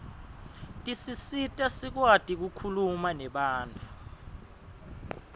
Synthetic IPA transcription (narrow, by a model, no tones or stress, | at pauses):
tʼisisitʼasik̬watʼik̬ukʰulumanɛɓaːnt͡fʰu̥